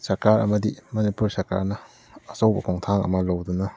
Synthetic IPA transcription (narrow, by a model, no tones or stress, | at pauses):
sɐɾkaɾɐ̰mɐdimɐnipuɾsɐɾka̰ɾnɐː | sowbɐkʰoŋtʰaŋɐ̰mɐlowdunɐ